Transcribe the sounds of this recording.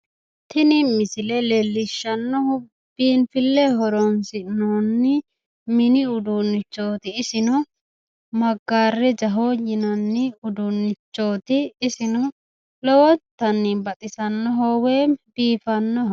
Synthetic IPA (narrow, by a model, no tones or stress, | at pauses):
t̪ʰɪnɪmɪsɪlɛlɛlːɪʃːɐnːɔhʊbiːnfɪlːɛɦɔɾɔnsɪnoːnːɪ | mɪnɪʊd̪unːɪt͡ʃːo̞ːt̪ɪːsɪnɔ | mɐɡːaːrːɛd͡ʒɐɦojɪnɐnːɪʊd̪ʊnːɪt͡ʃːo̞ːt̪ɪːsɪnɔ | lɔwɔt̪ːɐnːɪbɐt̪ʼɪsɐnːɔɦɔweːbiːfɐnːɔɦɔ